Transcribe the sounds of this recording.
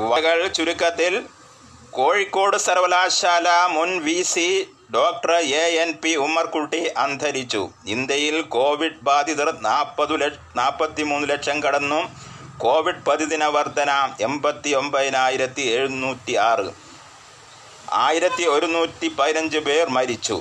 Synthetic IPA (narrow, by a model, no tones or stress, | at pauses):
ʋɐɣɐɭt͡ɕuɾukːɐt̪ːil | ko̞ːɻikːo̞ːɽɨsɐɾʋɐlaːɕaːlɐmunʋisi | ɖoːk̚ʈrɐeenpiumːɐrkuʈːiʔɐnd̪ʱɐɾit͡ɕːṵind̪jɐjilko̞ːʋiɖ̚baːd̪ʱiðɐrnaːpːɐðul | naːpːɐt̪ːimuːnːuleʈʂɐmkɐɽɐnːum | ko̞ːʋiɖ̚pɐðiðinɐʋɐrd̪ʱɐnaːme̞mbɐt̪ːio̞mbɐðinaːjiɾɐt̪ːie̞ːɻunːuːtːiaːrɨ̰ | a̰ːjiɾɐt̪ːio̞ɾunːuːtːipɐðinɐɲd͡ʑɨbeːrmɐɾit͡ɕːṵ